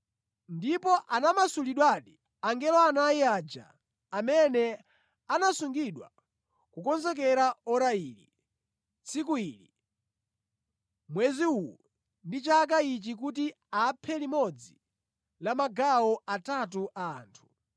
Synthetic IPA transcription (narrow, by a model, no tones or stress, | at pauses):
ndipɔʔanamasuliɗwaɗi | aŋɡɛlɔanaiaːd͡ʒa̰ː | mɛnɛ | anasuŋɡiɗwa̰ | kukɔnzɛk̬ɛɾaɔɾaiːlḭ | t͡sʰikuili | mwɛziulu | ndit͡ʃak̬ait͡ʃik̬uti | aːpʰɛlimɔd͡zi | lamaɡaɔatatuʔaa̰ːntʰu̥